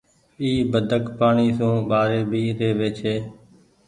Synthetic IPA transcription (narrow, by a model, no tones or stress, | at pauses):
iːbəd̪ʱəkpaːɳiːsũːɓaːɾeːbʱiːɾeːʋeːt͡ʃʰeː